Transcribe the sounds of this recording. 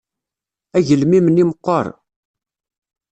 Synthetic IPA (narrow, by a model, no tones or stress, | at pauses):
æʝəlmiməniməqːə̰ɾˤ